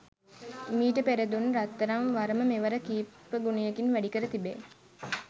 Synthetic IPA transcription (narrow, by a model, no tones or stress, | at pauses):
miːʈəpeɾed̪unɾat̪ːəɾaŋʋaɾəməmeʋɐɾəkiːpːəɡunijekinʋæɖikəɾət̪ibe